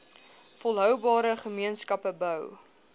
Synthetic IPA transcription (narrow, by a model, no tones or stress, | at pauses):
fɔlˠɦœwbɑːɾəχəmiənskɐpəbœw